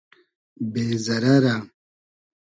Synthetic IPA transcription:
bezɐɾaɾa

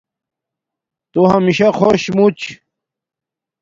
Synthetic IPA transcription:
t̪oɦamiɕaxoɕmut͡ɕ

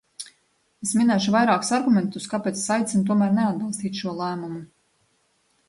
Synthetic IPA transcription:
esminɛːʃuvajɾaːku̥saɾɡumʲɛnt̪uskapeːt̪ssajt̪sint̪uɔmæːɾnead̪̚bilˠst̪iːt̪ʃuɔlˠæːmumu

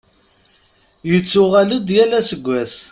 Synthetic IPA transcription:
jət͡sːʊʁælud̪jælæsəɡʷːæs

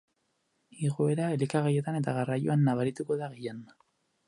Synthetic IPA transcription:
iɣo̞e̞ɾae̞likaɣaje̞t̪ane̞t̪aɣarajo̞anːaβaɾit̪uko̞ðaɣejan

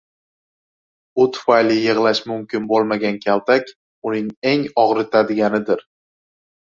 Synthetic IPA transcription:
ʊt̪ʰʊ̥fajlɪjɨʁlˠaʃmʊmkʲʰɪnbolˠmaɡʲankʲʰalt̪ʰakʲ | ʊnɪŋe̞ŋɒʁɾɪt̪ʰad̪ɪɡʲanɪd̪ɪɾ

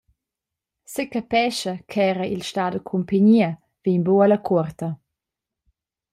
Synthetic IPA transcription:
sekapɛʃɐkʰɛːɾɐʔilʃtadəkʰumpaɲiɐ | v̥inboalɐkʰɔrt̪ɐ

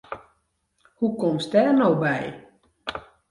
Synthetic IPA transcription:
hukɔmsdɛːrnowbɛj

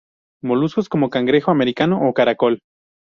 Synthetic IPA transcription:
mo̞lusko̞sko̞mo̞kaŋɡɾe̞xoame̞ɾikanoʔokaɾako̞l

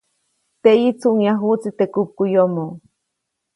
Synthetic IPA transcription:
t̪eit͡suʔŋjaɦut͡sit̪ekup̚kujomo

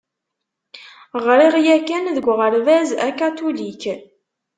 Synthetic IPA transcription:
ʁɾiʁjækænðəɡʷʁəɾvæzækat̪ulik

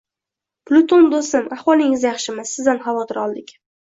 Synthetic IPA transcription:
plʊt̪ʰond̪osɪmahwɒlˠɪŋɪzjaχʃɪmasːɪzd̪anχɑvɒt̪ʰɪɾɒlˠd̪ɪkʲ

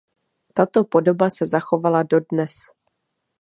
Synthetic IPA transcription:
t̪at̪o̞po̞do̞basɛzaxo̞valado̞dnɛs

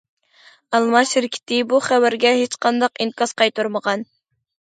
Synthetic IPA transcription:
ɑlˠmɑʃɪɾɪkʲʰɪ̥t̪ɪbuχɛwæɾɡʲɛɦet͡ʃqʰɑnd̪ɑqinkʲʰɑzqʰɑjt̪uɾməʁɑn

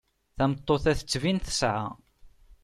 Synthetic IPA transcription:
θæmət̪ˤːoθæθət͡sːvinθə̥sʕa̰

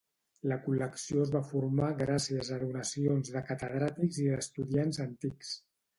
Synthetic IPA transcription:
ləkuləksijoəzβafuɾmaɣɾasiəzəðunəsionzðəkət̪əð̞ɾat̪ikziðəst̪uðianzənt̪iks

